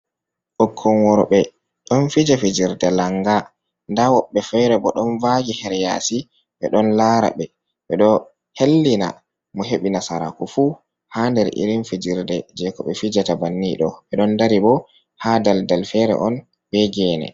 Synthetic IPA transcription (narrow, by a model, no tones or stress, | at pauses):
ʔɔkʰːɔnwɔɾɔɓɛ | ɗɔnfid͡ʒafid͡ʒiɾdɛlaŋɡa | ndawɔɓːɛfɛɾɛbɔɗɔnvaɡɛhɛɾjasi | ɓɛ̰ɗɔnlaːɾa̰ɓɛ | ɓɛɗɔ | helːina̰ | mɔɦeɓinasaɾa̰kufu | handɛɾʔḭɾinfid͡ʒiɾdɛd͡ʒɛkɔɓɛfid͡ʒatabanːiɗɔɓɛɗɔndaɾibɔ | hadaldalfɛɾɛ̰ʔɔn | b̥ɛɡɛːnɛ̰